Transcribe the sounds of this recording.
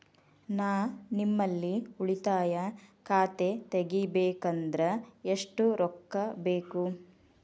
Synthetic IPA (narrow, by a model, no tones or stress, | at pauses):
naːnimːɐlːiuɭit̪aːjɐkʰaːt̪e̞t̪eɡibeːkɐnd̪ɾɐeʂʈuɾɔkːɐbeːku